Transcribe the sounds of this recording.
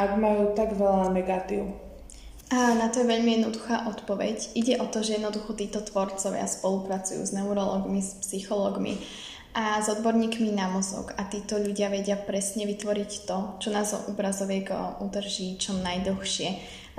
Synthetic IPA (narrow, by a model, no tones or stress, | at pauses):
aɡmajuːt̪aɡʋɛlanɛɡat̪ḭʊ | nat̪ɔjɛʋɛʎmijɛd̪nɔd̪uxaːʔɔt̪pɔʋɛɟʔiɟɛʔɔt̪ɔʒɛjɛd̪nɔd̪uxɔt̪iːt̪ɔt̪ʋɔɾt͡sɔʋɪa̰spɔlupɾat͡sujṵːznɛʊɾɔlɔːɡmispsixɔlɔːɡmḭ | ʔazɔd̪bɔɾɲiːkminamɔzɔ̰ɡat̪iːt̪ɔʎuɟɪaʋɛɟɪapɾɛsɲɛʋit̪ʋɔɾict̪ɔt͡ʃɔnaːzɔ̰ʔubɾazɔʋɪɛɡud̪r̩ʒiːt͡ʃɔnajd̪l̩xʃɪɛ